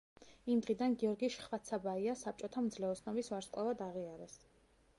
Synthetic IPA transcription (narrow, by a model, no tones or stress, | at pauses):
imd̪ʁid̪anɡiɔɾɡiʃχvat̪sʰabaiasap̚t͡ʃʼɔt̪ʰamd̪zlɛɔsnɔbisvaɾsqʼavad̪aʁiaɾɛs